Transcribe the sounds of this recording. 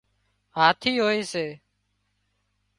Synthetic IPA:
ɦaːt̪ʰiːɦoːeːseː

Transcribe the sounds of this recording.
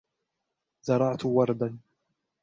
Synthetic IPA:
zɑɾˤɑʕt̪wɑɾˤd̪an

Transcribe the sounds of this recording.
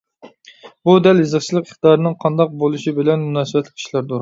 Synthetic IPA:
bud̪ɛlizɨχt͡ʃʰilˠɨqə̥χt̪ɑːɾɨnɨŋqʰɑnd̪ɑq̚bolˠuʃibɪlɛnmunɑːsɨbɛt̪lɪkʲʰi̥ʃlæɾd̪oɾ

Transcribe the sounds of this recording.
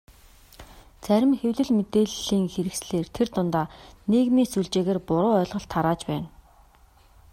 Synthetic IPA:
t͡sæɾʲɪ̆mxewɮɘ̆ɮmet̪eːɮiːŋxeɾɘ̆ksɮeːrt̪ʰert̪ʊnt̪aːneːɣmiːsuɮt͡ɕeːɣeːrpʊɾʊːœːɮʁə̆ɬt̪ʰːaɾaːt͡ɕpæːn

